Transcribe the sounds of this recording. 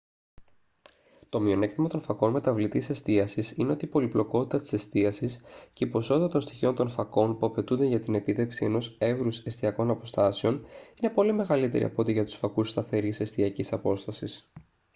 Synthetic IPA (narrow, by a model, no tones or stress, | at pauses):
t̪o̞mio̞ne̞kt̪imɐt̪o̞nfɐko̞nme̞t̪ɐvlit̪ise̞st̪iɐsisine̞o̞t̪ipo̞liplo̞ko̞t̪i̥t̪ɐt̪i̥se̞st̪iɐsisce̞ipo̞so̞t̪ɐt̪o̞nst̪içiont̪o̞nfɐko̞npuɐpe̞t̪und̪e̞ʝɐt̪ine̞pit̪e̞fksie̞no̞se̞vɾuse̞st̪iɐko̞nɐpo̞st̪ɐseo̞nine̞po̞lime̞ɣɐlit̪e̞ɾʔḭɐ̰pot̪iʝɐt̪u̥sfɐkust̪ɐθe̞ɾise̞st̪iɐcisɐpo̞st̪ɐsis